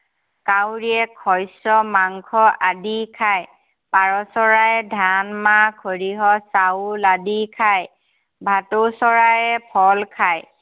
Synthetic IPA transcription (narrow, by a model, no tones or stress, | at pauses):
kawɹiɛkʰɔjsɔmaŋkʰɔʔadikʰaj | paɹɔsɔɹajɛdʱanmakʰoɹiɦɔsawladikʰaj | bʱatosɔɹajɛpʰɔlkʰaj